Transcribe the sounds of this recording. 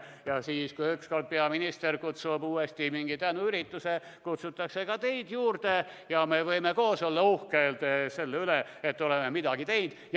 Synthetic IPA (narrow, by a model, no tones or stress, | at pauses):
jɑsiːskujyksko̞rt̪̚peɑminist̪erkut̪subuːest̪imiŋɡ̥it̪ænuyɾit̪ˑːuse | kut̪sut̪ːˑɑkse̞kɑt̪e̞jd̪̥juːrd̪̥e̞jɑme̞vɤjmeko̞ːso̞lːɑuhkeld̪̥ese̞lːeyleet̪ːo̞lemːemid̪ɑɡ̥it̪e̞jnd̪̥j